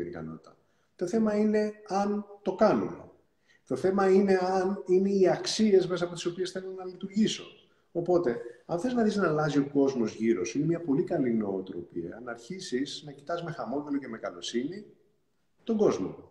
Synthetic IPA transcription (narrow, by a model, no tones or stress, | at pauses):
ḛɾikɐ̰no̞t̪it̪ɐ | t̪o̞θe̞mɐine̞ɐnt̪o̞kɐnṵmḛ | t̪o̞θe̞mɐine̞ɐnine̞iɐksie̞zme̞sɐpot̪iso̞pie̞sθe̞lonɐlit̪uɾʝiso̞̰ː | po̞t̪e̞ɐnθeiznɐθiznɐlɐzio̞ko̞zmo̞zʝiɾo̞sine̞miɐpo̞likɐlino̞ːt̪ɾo̞̰piɐ̰ɐ̰nɐɾçisiznɐci̥t̪ɐzme̞xɐmo̞ðeloceme̞kɐlo̞sini | t̪o̞ɡo̞zmo̞̰